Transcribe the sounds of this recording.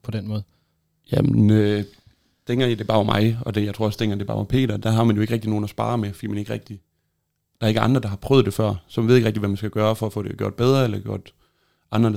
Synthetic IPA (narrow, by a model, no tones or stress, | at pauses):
pʰɒ̽d̥enmɔ̽ːð̩ˠ | jæmenø | d̥ʰeŋ̰ɡ̥ɐid̥e̝b̥ɑ̈ːɒmʔɑ̈ɪɒ̽d̥ejɑɪt͡sʰo̝ɐɒsd̥ʰeŋ̰ɡɐd̥e̝bɑ̰ɒmpʰe̝̰ːɾ̥ɐd̥æɦɑ̈mænjoe̝ɡ̥ʁeɡ̥̚d̥ino̝ːn̩ɒsb̥ɑ̰̈ːɐmefɒd̥ḭːmæne̝ɡəʁɛɡ̥̚d̥i | d̥ɑ̈ɐeɡəɑ̈nd̥ʁɐd̥ɑ̈hɑ̈pʰʁœːð̩ˠd̥e̝fɶɐ̰sɒmʋeðˠe̝ɡʁeɡ̥̚diʋæmænsɡ̥æɡ̥ɶːɐfɒ̽æfɔ̰̽ːɾ̥eɡ̥jo̝ɐ̰d̥beð̞ˠʁɐelɐɡ̥jo̝ɐ̰d̥ | ʔɑ̈nd̥ʁɐ